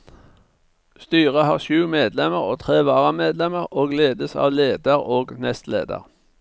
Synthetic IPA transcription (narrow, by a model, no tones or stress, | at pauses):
st̪yːʁəhɑːʁʃʉːmeːd̪lɛməʁoːt̪ʰʁeːʋɑːʁəmeːd̪lɛməʁoːɡleːd̪əsɑ̰ːʋleːd̪əʁoːɡnɛst̪lḛːd̪ə̰ʁ